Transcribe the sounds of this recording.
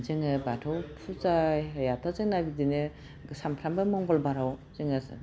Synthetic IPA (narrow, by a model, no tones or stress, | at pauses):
zɯŋɯbatʰowpʰuzajɦajatʰazɯŋnabidinɯ | ɡsampʰɾambɯmɔŋbɔlbaɾawzɯŋasɯ̰